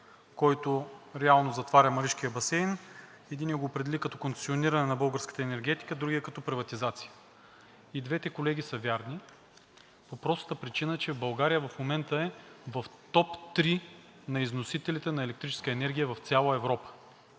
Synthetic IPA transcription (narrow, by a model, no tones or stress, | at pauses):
kɔjt̪oɾɛalˠnozɐt̪vaɾʲəmɐɾiʃkijəbɐsɛjn | ɛd̪iniɛɡoːpɾɛd̪ɛlʲikɐt̪ɔkont̪ɛ̥sioniɾɐnɛnɐbɤlˠɡəɾskə̥t̪əɛnɛɾɡɛt̪i̥kəd̪ɾuɡʲiɛkɐt̪ɔpɾivɐt̪izat̪si̥jə̥ | id̪vɛt̪ɛkolɛɡ̟ʲisəvʲjaɾni | popɾɔst̪əpɾit͡ʃinət͡ʃɛbɐlˠɡaɾijəvɐfmomɛnt̪əɛvɐft̪ɔpt̪ɾi | nɐiznosit̪ɛlit̪ɛnɐɛlɛkt̪ɾit͡ʃɛ̥skəɛnɛɾɡʲijəvɐft̪sʲalˠəɛvɾɔpə̥